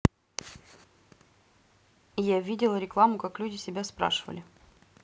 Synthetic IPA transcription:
javʲidʲɪlˠəɾʲɪklˠamʊkaklʲudʲɪsʲɪbʲaspɾa̰ʂɨvə̰lʲɪ

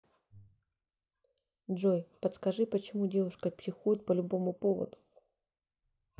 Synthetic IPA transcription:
dʐojpət̪skɐʐɨpət͡ɕɪmudʲe̞vʊʂkəpsʲɪxujɪt̪̚pəlʲʊbo̞mʊpovə̰d̪ʊ

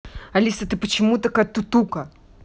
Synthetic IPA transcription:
ɐlʲisət̪ɨpət͡ɕɪmut̪ɐkat̪ːut̪ukə

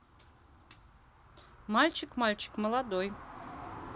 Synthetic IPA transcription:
malʲt͡ɕɪkmalʲt͡ɕɪ̥kməlˠad̪oj

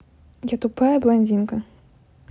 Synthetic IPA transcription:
jat̪upajɐblˠanʲd͡zʲinkɐ

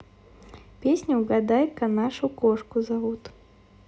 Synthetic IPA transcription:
pʲesʲnʲʊːɡad̪ajkɐnaʂʊkɔʂkʊzavut̪

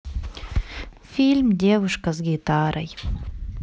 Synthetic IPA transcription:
fʲilʲmd̪ʲevuʃkɐzɡʲit̪ɑɾɐj

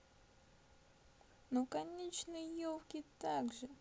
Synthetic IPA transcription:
nokɐnʲet͡ɕnɨjəjolˠkʲɪt̪aɡʐɨ

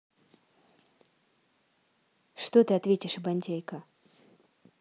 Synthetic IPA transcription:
ʂt̪ɔt̪ɨat̪vʲetʲɪʂɨbanʲtʲejkɐ

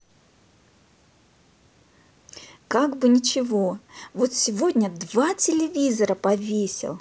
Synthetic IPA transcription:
kaɡbɨnʲɪt͡ɕɪvo̞vo̞t̪sʲɪvo̞dʲnʲəd̪vatʲɪlʲɪvʲizəɾəpɐvʲesʲɪ̰lˠ

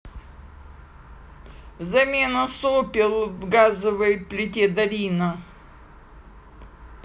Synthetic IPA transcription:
zɐmʲenəsopʲɪlˠvɡazəvɨjplʲɪtʲed̪ɐlʲinə

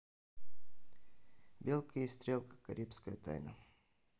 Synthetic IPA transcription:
bʲelˠkʰəjist̪ɾʲelˠkə̥kɐɾʲipskəjət̪a̰jnə̰

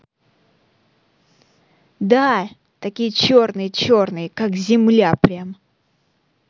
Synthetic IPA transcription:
d̪a | t̪ɐkʲijət͡ɕo̞rnɨjət͡ɕo̞rnɨjəkakzʲɪmlʲapɾʲamə

